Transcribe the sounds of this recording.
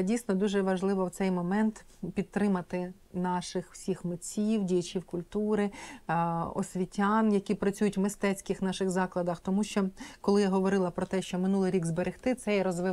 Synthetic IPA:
dʲijsnɔd̪uʒɛʋɐʒlˠɪʋɔwt̪sɛjmɔmɛnt̪ | pʲit̪̚t̪ːɾɪmɐt̪ɪ | nɑʃɪxw̥sʲixmɪt͡sʲiwdʲijɐt͡ʃʲiwkʊlʲt̪uɾɪ | ɔ̰sʲʋʲitʲanjɐkʲipɾɐt͡sʲujʊtʲwmɪst̪ɛt͡sʲkɪxnɑʃɪɣzɑklˠɐd̪ɐxt̪ɔmuʃt͡ʃɔkɔlˠɪjaɦɔʋɔɾɪlˠɐpɾɔt̪ɛʃt͡ʃɔmɪnulˠɪjɾʲiɡzbeɾɪxt̪ɪt̪sɛjɾɔzʋɪ

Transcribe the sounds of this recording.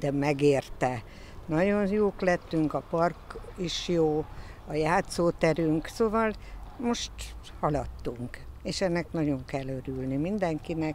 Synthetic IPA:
d̪ɛmɛɡeːrt̪ɛ | nɒɟo̞njoːklɛt̪ːyŋkɒpɒrkiʃjoːɒjaːt̪soːt̪ɛɾyŋksovɒlmo̞ʃt̪ | hɒlɒt̪ːuŋkeːʃɛnːɛknɒɟo̞ŋkɛlːøɾylnimind̪ɛŋkinɛk

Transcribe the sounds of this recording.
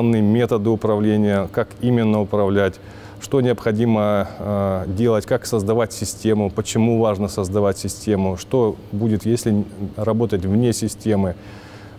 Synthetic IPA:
ɐnːɨjəmʲe̞t̪əd̪ɨʊpɾɐvlʲenʲɪjəkakimʲɪnːəʊpɾɐvlʲætʲ | ʂt̪o̞nʲɪəpxɐdʲimə | dʲe̞lˠətʲkaksəzd̪ɐvatʲsʲɪsʲtʲe̞mʊpət͡ɕɪmuvaʐnəsəzd̪ɐvatʲsʲɪsʲtʲe̞mʊʂt̪o̞budʲɪt̪jesʲlʲɪrɐbo̞t̪ətʲvnʲe̞sʲɪsʲtʲe̞mɨ

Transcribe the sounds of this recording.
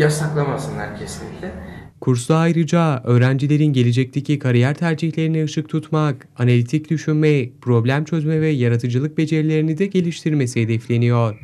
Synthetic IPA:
jasaklˠamasɯnlˠaɾcʰesinlʲːicʲlʲɪkʰuɾslˠaːjɾɯd͡ʒaø̞ːɾænd͡ʒilʲe̞ɾinɟe̞lʲed͡ʒɛc̚t̪ʰe̞cʰikʰaɾijæɾt̪ʰæɾd͡ʒiçlʲe̞ɾiniɯʃɯk̚t̪ʰut̪mak | analʲit̪ʰicd̪yʃynmɛpɾo̞blʲæmt͡ʃʰø̞zmɛvɛjaɾat̪ʰɯd͡ʒɯlˠɯk̚be̞d͡ʒe̞ɾilʲe̞ɾinid̪ɛɟe̞lʲiʃt̪ʰiɾme̞siɦed̪ɛflʲe̞nijoɾ̥

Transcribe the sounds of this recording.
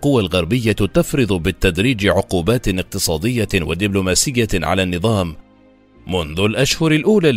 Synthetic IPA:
qʊwalɣɑɾˤbɪjːat̪afɾɨd̪ˤʊbɪt̪ːad̪ɾiːd͡ʒɪʕʊquːbaːt̪nɪq̚t̪ɨsˤɑːd̪ɪjːawa̰d̪ɪblʊmaːsɪjːaʕa̰laːnːɨðˤɑːm | mʊnðʊlʔaʃhʊɾalʔuːlaː

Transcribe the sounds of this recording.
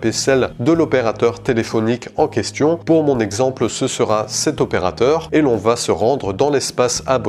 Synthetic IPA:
pesɛld̪əlɔpeʁat̪œʁt̪elefɔnikɑ̃kʲɛst̪jɔ̃puʁmɔ̃nɛɡzɑ̃plsəsəʁasɛt̪ɔpeʁa̰t̪œʁelɔ̃vasəʁɑ̃d̪ʁəd̪ɑ̃lɛspasab

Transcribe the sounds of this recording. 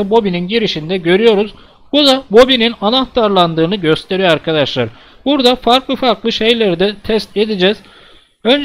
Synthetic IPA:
ɯbo̞bininɟiɾiʃind̪ɛɟø̞ɾyjo̞ɾuz | bud̪abo̞bininanaht̪aɾlˠand̪ɯːnɯɟø̞st̪ʰe̞ɾijoaɾkʰad̪aʃlˠaɾ | buɾd̪afaɾklˠɯfaɾklˠɯʃe̞jlʲæɾd̪ɛt̪ʰɛst̪e̞d̪id͡ʒɛz̥ | ø̞nd͡ʒ

